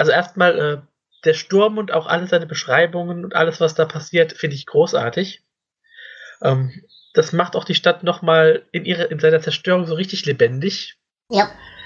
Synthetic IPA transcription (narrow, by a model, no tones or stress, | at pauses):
ʔalzoʔeːɐstmaːlʔɛː | d̥eːɐʃtʊɐmʊnta̰ʊxʔa̰ləzaɪnəbəʃʁ̥aɪbʊŋənʊntʔa̰ləsv̥asd̥aːpʰasiːɐtfɪndəɪçɡ̥ʁoːsʔa̰ːɐtɪç | ʔɛːm | d̥asmaχtaʊxd̥iːʃtatnɔχmaːlʔɪnʔiːʁ̞ɐʔɪnzaɪnɐt͡sɛɐʃtøːʁ̞ʊŋzoːʁ̞ɪçtɪçlebɛndɪç | j